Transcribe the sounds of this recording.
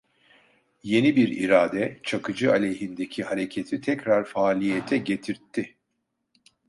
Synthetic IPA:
je̞nibiɾḭɾaːd̪ɛt͡ʃʰakʰɯd͡ʒɯalʲejɦind̪ecʰihaɾe̞cʰet̪ʰit̪ʰɛcɾaɾfaːlʲijet̪ʰɛɟe̞t̪ʰiɾt̪ʰːi

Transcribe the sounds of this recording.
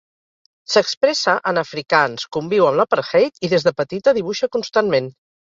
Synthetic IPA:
səkspɾɛsəʔənəfɾikanskumbiwəmləpəɾxɛjt̪iðezðəpət̪it̪əðiβuʃəkunst̪anmen

